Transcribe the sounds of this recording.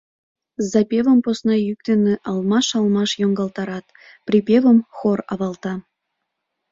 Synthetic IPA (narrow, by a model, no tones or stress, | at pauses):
zɑpʲeβəmposnɑjyk̚t̪eneʔɑlmɑʃɑlmɑʃjoŋɡɑlˠt̪ɑɾɑt̪ | pripʲeβəmxorɑβɑlt̪ɑ